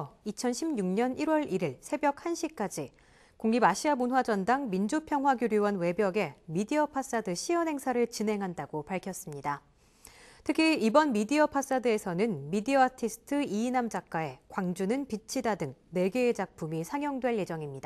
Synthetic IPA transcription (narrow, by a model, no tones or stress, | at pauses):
it͡ɕʰʌnɕʰimɲuŋɲʌniɾwʌɾiɾiɭsʰe̞bjʌk̚hanɕʰik͈ad͡ʑi | koŋːibaɕʰiamunɦwad͡ʑʌndaŋmind͡ʑupʰjʌŋɦwaɡjuɾjuwʌnwe̞bjʌɡe̞midiʌpʰas͈adɯɕʰiʌnɦe̞ŋsʰaɾɯɭt͡ɕinɦe̞ŋɦandaɡopaɭkʰjʌs͈ɯmɲida | tʰɯkʰiibʌnmidiʌpʰas͈adɯe̞sʰʌnɯnmidiʌatʰisʰɯ̥tʰɯiːnamd͡ʑak̚k͈ae̞kwaŋd͡ʑunɯnpit͡ɕʰidadɯŋne̞ɡeːd͡ʑak̚pʰumisʰaŋjʌŋdwe̞ɭje̞d͡ʑʌŋimɲida